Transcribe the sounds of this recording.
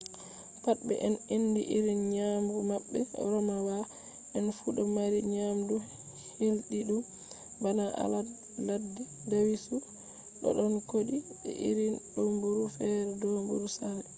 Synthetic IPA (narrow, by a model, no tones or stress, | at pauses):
pat̚ɓbɛ̰ʔɛninːdiʔiɾinɲambumaɓːɛ̰ɾɔmawa | ʔɛnfuɗɔmaɾiɲamdu | hilɗiɗum | banaʔa̰la | ladːi | dawisu | ɗɔ̰ɗɔnkoɗi | ɛ̰ʔḭɾinɗombuɾufɛɾɛdombuɾusalɛ